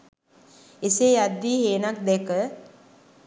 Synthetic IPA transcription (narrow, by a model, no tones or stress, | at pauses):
isejad̪ːiːɦeːnak̚d̪ɛkə